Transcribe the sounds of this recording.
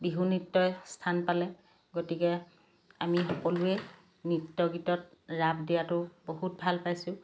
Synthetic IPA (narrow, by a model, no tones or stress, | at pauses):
biɦunitːɔstʰanpalɛ | ɡotikɛ | amixɔkɔlʊɛ | nitːɔɡitɔt̚ɹabʱdijatʊboɦut̚bʱalpajsʊ̃